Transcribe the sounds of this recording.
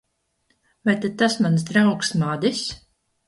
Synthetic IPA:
vajt̪at̪asmans̬d̪ɾawksmad̪is

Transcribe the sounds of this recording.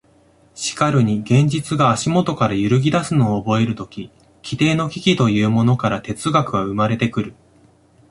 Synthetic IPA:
ɕi̥kaɾɯ̟ɲ̟iɡẽ̞ɲ̟d͡ʑit͡sɨɡaːɕimo̞t̪o̞kaɾajɯ̟ɾɯ̟ɡʲid̪asɨno̞ːbo̞e̞ɾɯ̟t̪o̞kʲi | kʲi̥t̪e̞ːno̞kʲikʲit̪o̞jɯ̟ːmo̞no̞kaɾat̪e̞t͡sɨɡakɯ̟βaɯ̟maɾe̞t̪e̞kɯ̟ɾɯ̟

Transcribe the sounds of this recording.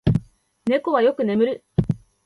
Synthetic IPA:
ne̞ko̞βajo̞kɯ̟ne̞mɯ̟ɾɯ̟

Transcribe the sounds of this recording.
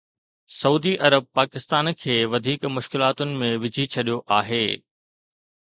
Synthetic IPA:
sɐuːd̪iʔɐɾəb̚paːkɪst̪aːnkʰeːʋɐd̪ʱiːkmʊʃkɪlaːt̪ʊnɪ̆mẽʋɪd͡ʑʱit͡ɕʰɐɗijoʔaːɦeː

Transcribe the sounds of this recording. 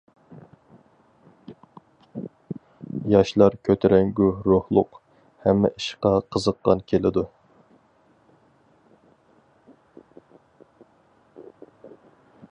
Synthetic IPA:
jɑʃlˠɑɾkʲʰøt̪ʰeɾɛŋɡʲuhɾohlˠʊq | hɛmːɛ̰ʔiʃqɑqʰəzəqːɑ̰nkʲʰelɪd̪u

